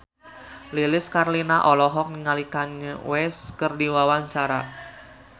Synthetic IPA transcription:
lilɪskarlinaʔɔlɔɦɔk̚nəŋalikanəwɛskərdiwawaɲt͡ʃaɾa̰

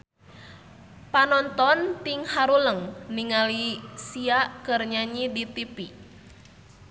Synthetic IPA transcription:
panɔnt̪ɔnt̪iŋhaɾuləŋniŋalisiaʔkɨrɲaɲidit̪ipi

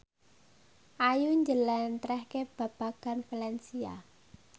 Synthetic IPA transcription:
ʔajuɲd͡ʒəlɛnt̪ɾɛhkeb̥ä̤b̥aɡ̥a̤nfalɛnsia̰

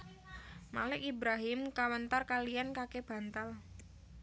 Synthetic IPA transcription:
ma̰lɪkibɾaɦɪmkawənt̪arkalijankakeb̥a̤nt̪al

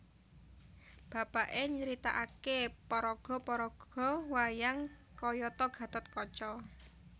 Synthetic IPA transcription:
b̥a̤paʔeɲəɾit̪a̰ʔakepɔɾɔɡ̥ɔ̤pɔɾɔɡ̥ɔ̤wajaŋ | kɔjɔt̪ɔɡ̥ä̤t̪ɔt̪̚kɔt͡ʃɔ

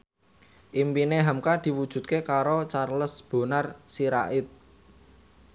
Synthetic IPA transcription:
ʔimpineɦamkad̪̥i̤wud̥ʒ̥ṳt̪̚kekaɾot͡ʃarləsb̥o̤narsiɾa̰ʔɪt̪̚

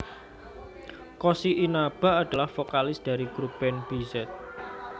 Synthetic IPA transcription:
kosiʔinab̥a̤ad̥a̤lahfokalɪsd̪̥a̤ɾiɡɾub̥ɛnb̥izɛt̪̚

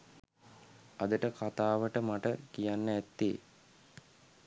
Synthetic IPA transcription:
ad̪əʈəkat̪aːʋəʈəmaʈəkijanːəæt̪ːḛː

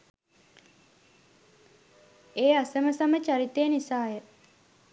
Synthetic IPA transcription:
eːasəməsamət͡ʃaɾit̪ejːnisaːjə

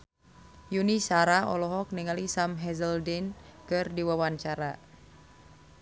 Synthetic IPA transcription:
junisaɾaɔ̰lɔɦɔk̚niŋalisamɦɛzəldinkɨrdiwawaɲt͡ʃaɾa

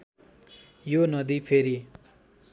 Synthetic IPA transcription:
jonʌd̪ipʰeɾi

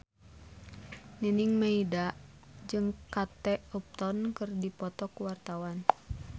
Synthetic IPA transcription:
nəniŋməidaʔ | d͡ʒɨŋkat̪ɛɔp̚t̪ɔnkɨrdipɔt̪ɔkuwart̪awan

